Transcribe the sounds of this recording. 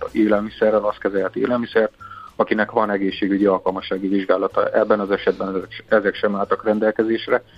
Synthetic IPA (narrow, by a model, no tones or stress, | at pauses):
eːlɛlmisɛrːɛlɒst̪kɛzɛlhɛt̪ḛːlɛlmisɛrt̪ɒkinɛkʋɒnɛɡeːʃːeːɡyɟiɒlkɒlmɒʃːaːɡiviʒɡaːlɒt̪ɒ̰ʔɛbːɛnɒzɛʃɛd̪̚bɛnɛzɛkʃɛmaːlt̪ɒkrɛnd̪ɛlkɛzeːʃrɛ